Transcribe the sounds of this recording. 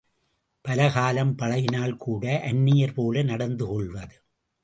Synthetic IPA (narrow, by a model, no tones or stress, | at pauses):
pɐlɐɣaːlɐmpɐɭɐjɪnaːlkʰuːɽɐʔɐnːɪjɐɾpoːlɐnɐɽɐnd̪ɯkɔɭʋɐðɯ